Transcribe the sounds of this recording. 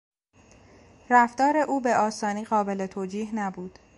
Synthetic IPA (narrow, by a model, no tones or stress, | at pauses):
ræfd̪ɒːɾe̞ʔuːbe̞ʔɒːsɒːniːɣɒːbe̞le̞t̪ʰoːd͡ʒiːɦnæbuːd̪̥